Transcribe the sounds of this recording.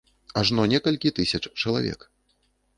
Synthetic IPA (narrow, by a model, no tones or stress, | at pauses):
aʐnɔnʲɛkɐlʲkʲit̪ɨsʲɐt͡ʂt͡ʂɐlˠavʲɛ̰k